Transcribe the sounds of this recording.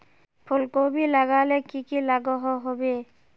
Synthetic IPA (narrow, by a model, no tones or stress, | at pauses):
pʰulkobilaɡalɛkikilaɡɔɦɔɦɔbe